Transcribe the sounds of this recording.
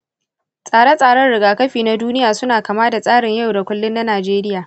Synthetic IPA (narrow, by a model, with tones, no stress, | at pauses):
sʼaː˨ɽɛ˦sʼaː˨ɽɐ˦rɽɪ˨ɡaː˨kɐ˦ɸiː˨na˦duː˦nɪ˦jaː˨sʊ˦naː˨kaː˨maː˦da˨sʼaː˦ɽɪ˨ɲja˦˨wda˨kʷʊ˦lːʊ˦nːa˦naː˨d͡ʒeː˦ɾɪ˦jaː˨